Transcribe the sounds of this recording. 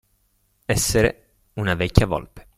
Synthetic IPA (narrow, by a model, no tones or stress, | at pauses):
ɛsːeɾe | unavɛkʲːjavɔ̰lpe̥